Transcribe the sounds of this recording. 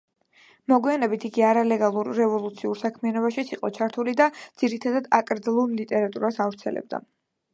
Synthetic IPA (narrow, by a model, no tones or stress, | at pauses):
mɔɡwianɛbit̪ʰiɡiaɾalɛɡalˠuɾːɛvɔlˠut̪sʰiuɾsakʰmianɔbaʃit̪sʰiqʼɔt͡ʃʰaɾt̪ʰulid̪ad̪z̥iɾit̪ʰad̪ad̪akʼɾd̪zlˠullit̪ʼɛɾat̪ʼuɾasavɾt̪sʰɛlɛ̰b̚d̪a̰